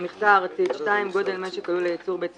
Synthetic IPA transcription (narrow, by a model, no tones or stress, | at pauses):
miχtaʁt͡sit̪ʃtaimɡo̞d̪e̞lmeʃekajulejit͡suʁbet͡s